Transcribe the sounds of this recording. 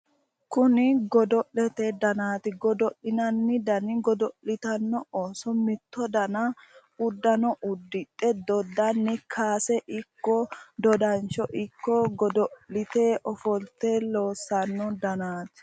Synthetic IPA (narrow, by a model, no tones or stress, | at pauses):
kʊnɪɡɔd̪ɔʔlɛt̪ɛd̪ɐnaːt̪ɪɡɔd̪ɔʔɪnɐnːɪd̪ɐnɪɡɔd̪ɔʔɪt̪ɐnːɔoːsɔmɪt̪ːɔd̪ɐnɐ | ʊd̪ːɐnɔʔʊd̪ːɪtʼːɛd̪ɔd̪ɐnːɪkʰaːsɛʔɪkːɔd̪ɔd̪ɐnt͡ʃɔʔɪkːɔɡɔd̪ɔʔɪt̪eːʔɔfɔlt̪ɛlo̞ːsːɐnːɔd̪ɐnaːt̪ɪ̥